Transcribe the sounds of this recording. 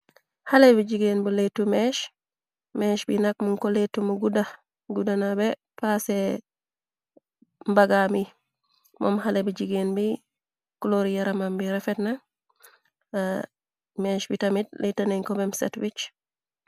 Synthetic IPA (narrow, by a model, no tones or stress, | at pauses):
halebiɟiɡeːnbuletːumeʃ | meːʃbinak̚muŋkoletːumuɡuda | ɡudanabepaːse | mbaɡami | mʔo̰mhalebiɟiɡeːnbi | kuloɾijaɾamambiɾefetna | meʃbitamit̚letːaneŋkobemsḛtwit͡ʃ